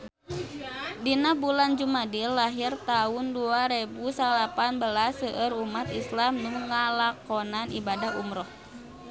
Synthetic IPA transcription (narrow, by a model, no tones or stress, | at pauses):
dinabuland͡ʒumadilːaɦirt̪aʊnduaɾebusalapanbəlasəʔəɾumat̪islamnuŋŋːalakɔnanʔḭbadaɦṵmɾɔh